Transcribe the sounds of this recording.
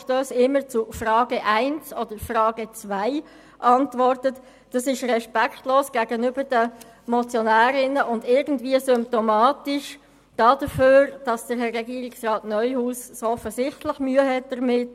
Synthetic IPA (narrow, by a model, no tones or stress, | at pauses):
ʃtøːsɪmːət͡sʊfrɑːɡəʔaɪnsɔd̥əɾfrɑːɡ̥ət͡svaɪ | ʔɑntvɔrtət | d̥ɑsɪʃʁɛʃpɛkχtloːsɡ̥æːɡənybəɾd̥ə | mɔt͡sjonæːɾɪnəʔʊndɪɾɡn̩dviəsʏmp̚tomɑːtɪʃ | d̥ɑːd̥əføːɾd̥ɑsd̥əɾɦɛrːɛɡiːɾɪksrɑːtnœʏhuːssoɔfəsɪχtlɪχmyːəɦɛt̚d̥əɾmɪt